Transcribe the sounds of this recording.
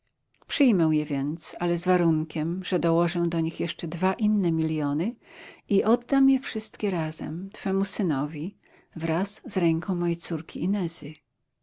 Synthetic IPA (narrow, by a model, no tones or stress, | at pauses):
pʂɘjmɛw̃jɛvʲjɛnt̪salɛzvaɾuŋkʲɛmʐɛd̪ɔwɔʐɛw̃d̪ɔɲixjɛʂt͡ʂɛd̪vaʔinːɛmʲiljɔnɘiʔɔd̪d̪amjɛfʂɘst̪kʲɛɾaz̥ɛ̰mt̪fɛmusɘnɔvʲi | vɾasz̥ɾɛŋkɔ̃w̃mɔjejt̪suɾkʲiinɛzɘ